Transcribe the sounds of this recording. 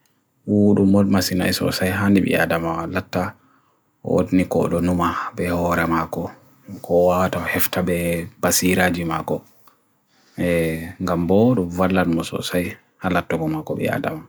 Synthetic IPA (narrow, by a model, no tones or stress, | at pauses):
wuɗumːɔlmasina̰jsɔ̰sajɦandiɓḭa̰damawalatːa | ɔ̰o̰dinikɔ̰ɗɔnumabɛhɔɾɛmakɔ | kʰɔwawatahɛftabɛb̥asiɾaːd͡ʒima̰kɔ | ɛŋɡambɔɗɔvalːanmɔsɔ̰saj | halatːɔɡɔmakɔɓɛ̰a̰da̰ma